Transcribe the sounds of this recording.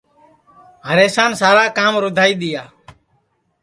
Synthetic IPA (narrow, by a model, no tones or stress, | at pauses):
ɦəɾeːsaːnsaːɾaːkaːmɾʊd̪ʱaːiːɗ̪ɪjaː